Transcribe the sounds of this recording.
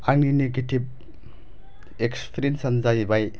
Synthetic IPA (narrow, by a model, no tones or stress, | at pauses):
aŋnineɡetib̚ | ekspʰɾinsɐnzajibaj